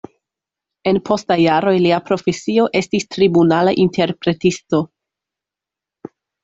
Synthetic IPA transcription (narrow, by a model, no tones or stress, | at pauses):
e̞npʰo̞stajaɾo̞jliapɾo̞fe̞sio̞ʔe̞stistɾibunalaʔinte̞ɾpɾe̞tisto̞